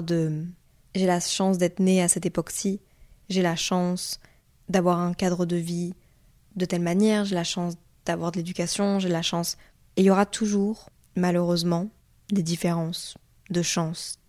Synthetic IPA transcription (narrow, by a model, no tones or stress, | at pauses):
d̪ə | ʒelaʃɑ̃sd̪ɛt̪χəneasɛt̪epɔksi | ʒelaʃɑ̃s | d̪avwaʁɛ̃kad̪ʁəd̪əvi | d̪ət̪ɛlmanjɛʁʒelaʃɑ̃s | d̪̥avwaʁd̪əled̪ykʲasjɔ̃ʒelaʃɑ̃s | ejɔʁat̪ʰuʒuʁ | maløʁøzmɑ̃ | d̪ed̪ifeʁɑ̃s | d̪əʃɑ̃s